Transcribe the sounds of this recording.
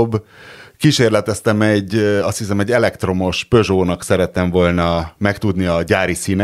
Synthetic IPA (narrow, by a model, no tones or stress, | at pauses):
bkiʃeːrlɛt̪ɛst̪ɛmɛɟːɒst̪hisɛmɛɟːɛlɛkt̪ro̞mo̞ʃpø̞ʒoːnɒksɛɾɛt̪ːɛɱvo̞ːlnɒmɛkt̪ud̪niɒɟaːɾisiːnɛ